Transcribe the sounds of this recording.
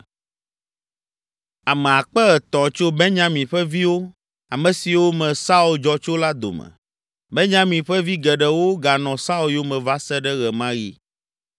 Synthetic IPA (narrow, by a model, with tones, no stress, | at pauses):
a˨mɛ˨a˨k͡pɛ˦ɣɛ˨t̪ɔ̃˨t͡ʃo˦bɛ˦ɲã˨mĩ˨ɸɛ˦vi˦wo˦ | a˨mɛ̃˨si˨wo˦mɛ̃˨sa˦u˦ld͡ʒɔ˦t͡ʃo˦la˦d̪o̰˨mɛ̰̃˨ | bɛ˦ɲã˦mĩ˨ɸɛ˦vi˦ɡɛ˨ɖɛ˨wo˦ɡa˨nɔ̃˨sa˦u˨ljo˦mɛ̃˨va˦sɛ˦ɖɛ˦ɣɛ˨mã˦ɣḭ˦